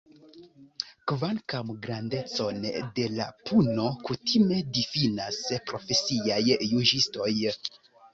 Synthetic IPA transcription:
kvalkamɡɾande̞t͡so̞nde̞la̰pʰuno̞kutime̞difinaspɾo̞fe̞siajːud͡ʒisto̞j

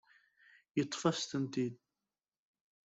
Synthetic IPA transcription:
jət̪ˤːfɑst̪ənt̪id̪̚

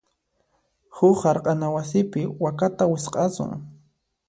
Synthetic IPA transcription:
hʊχhaɾqʼɑnawasɪpɪwakat̪awɪsqʼɑsʊ̰ŋ

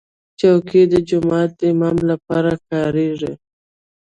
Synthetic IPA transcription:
t͡ʃawkid̪əd͡ʒʊmɑːt̪̚d̪əɪmɑmlapɑɾakɑɾeʐi

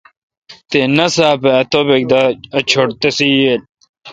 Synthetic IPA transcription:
t̪enɐsaːpaːt̪obeɡ̚d̪aɐt͡ʃʰoɽt̪esijel

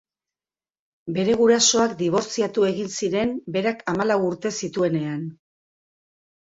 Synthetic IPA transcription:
be̞ɾe̞ɣ̞uɾaso̞akd̪iβ̞o̞ɾt͡siat̪ue̞ɣinsiɾe̞mbe̞ɾakamalawuɾt̪e̞sit̪ue̞ne̞an

